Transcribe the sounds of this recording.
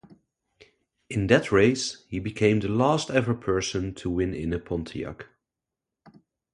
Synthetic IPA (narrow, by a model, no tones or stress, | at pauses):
ɨ̃nðɨtʰɹeɪshibɨkʰẽɪ̃mðəlæstɛvə˞pʰɜ˞sə̃ntʰəwɪ̃nɪ̰̃nɨpʰɔ̃ntʰiɑ̰k